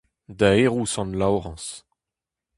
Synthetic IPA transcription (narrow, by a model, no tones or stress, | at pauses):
daeʁusɑ̃nlawʁɑ̃s